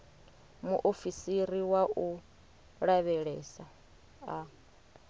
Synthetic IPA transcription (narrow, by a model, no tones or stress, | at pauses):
muʔofisiɾiwaʔu | ɺaβɛɺɛsa | a